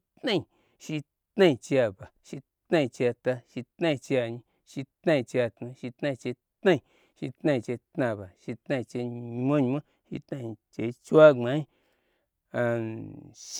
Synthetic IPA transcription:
t̪nã˦˧i˧˨ | ʃi˧ | t̪nã˦˧ĩ˧t͡ʃa˧ba˨ʃi˧ | tnã˧t͡ʃja˧t̪a˧ʃi˧t̪nã˧ĩ˧t͡ʃja˧ɲĩ˧ | ʃi˧t̪nã˧ĩ˧t͡ʃja˧t̪nã˧ʃi˧t̪nã˧t͡ʃe˧t̪nã˦˧˨ | ʃi˧t̪nã˧ĩ˧t͡ʃe˧t̪nã˧˨ba˨ʃi˧t̪nã˧ĩ˧t͡ʃe˧ɲ˧mõ˦˧ɲ˧mã˦ | ʃḭ˧t̪nã˧˨t͡ʃe˧i˧t͡ʃwa˦ŋ͡mã˨˦ | a˧ | ʃ

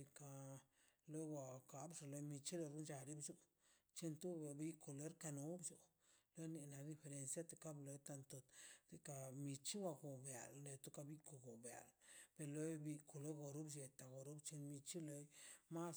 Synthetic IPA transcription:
i˧ka˧ | lo˦jwa˧ka˨bʐa˨lo˧jmi˧t͡ʃi˦lo˧ɾu˦nd͡ʒa˧ɾi˦bd͡ʒu˧˦ | t͡ʃi˧nt̪u˦˧bi˧ko˧le˦ɾka˧no˨˦bd͡ʒu˧ | lo˦jni˧na˨d̪i˧fe˧ɾe˧nsja˦t̪e˧ka˦blo˧jt̪a˧nt̪o˨˧t̪t̪i˧ka˧mi˧t͡ʃi˦wa˧ɡo˨bja̰˨lle˧t̪u˦ka˧bi˦ko˨ɡo˨bja̰˨lpe˧ɾlo˧˦jbi˧ko˨lo˦jɡo˨ɾu˦bd͡ʒe˧t̪a˨ɡo˨ɾu˦bt͡ʃi˧nmi˧t͡ʃi˦lo˧jma˦s

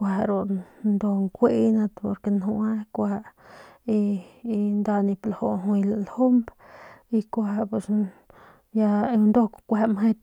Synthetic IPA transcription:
kʷa˧ɾo˨nd̪o˧ŋkʷe˦na˧t̪po̰˧ɾke˧no˧a˦kʷa˧ | i˧nd̪a˧ni˧plo˨o˧˨ɦwjla˨lo˦mb | i˧kʷa˧pe˨s | ja˧nd̪o˦kʷa˧me˦t̪

